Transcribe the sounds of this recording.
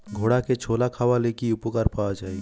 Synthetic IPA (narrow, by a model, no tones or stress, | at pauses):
ɡʱoːɽaket͡ʃʰoːlakʰaʋalekiʊpokaɾpaad͡ʒaːi